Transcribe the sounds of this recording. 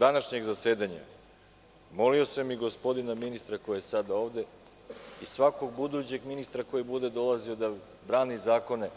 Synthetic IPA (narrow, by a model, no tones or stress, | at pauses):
d̪anaʃɲe̞ɡzase̞ːd̪aɲa̰ | mo̞lio̞samiɡo̞spo̞d̪inaminist̪ɾako̞jajesad̪ao̞ːʋd̪e̞ | isʋakoɡ̚bud̪ut͡ɕe̞ɡminist̪ɾako̞jibud̪e̞d̪o̞lˠazio̞d̪a | bɾaːnizaːko̞ne̞